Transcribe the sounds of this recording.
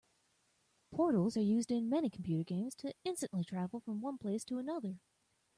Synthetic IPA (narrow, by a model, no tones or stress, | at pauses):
pʰɔɹɾl̩ˠzə˞jʉzdɪ̃nmɛnikʰm̩pʰj̥ʉɾə˞ɡẽɪ̃mz̥tʰɨɪ̃nstɨ̃nʔlitʰɹ̥ævl̩ˠfɹʌ̃mwʌ̃npʰl̥eɪstʰəənʌðə˞